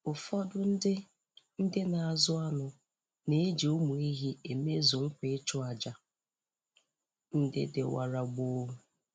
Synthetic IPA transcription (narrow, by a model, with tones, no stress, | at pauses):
ʊ˨fɔ˦dʊ˦n̩˦dɪ˦ | n̩˦dɪ˦na˨a˨zʊ˦a˦nʊ˨ | ne˦e˦d͡ʒe˨o˦mu˨i˦ɦi˦e˨me˦zʊ˨ŋ̩˦kʷe˨˦t͡ʃʊ˦a˨d͡ʒa˨ | n̩˦dɪ̰˦dɪ̰˨wa̰˨ɾa˨ɡ͡bo˦